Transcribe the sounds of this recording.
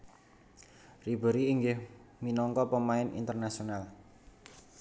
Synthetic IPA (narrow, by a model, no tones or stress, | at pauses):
ribə̤ɾiːŋɡɪhminɔŋkɔpəmaɪnḭnt̪ərnasional